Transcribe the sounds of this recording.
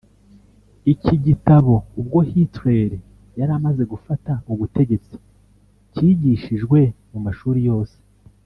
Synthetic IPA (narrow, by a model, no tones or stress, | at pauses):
iciɟitaβo̞ub̚ɡo̞hitɾe̞ɾi | jaɾamaze̞ɡufatauβute̞ɟe̞t͡si̥ | ciːɟiːʃiʒɡwe̞mumaʃuːɾijo̞ːse̥